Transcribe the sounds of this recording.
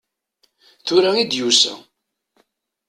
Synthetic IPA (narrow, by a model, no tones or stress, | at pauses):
θʊɾæid̪jusæ̰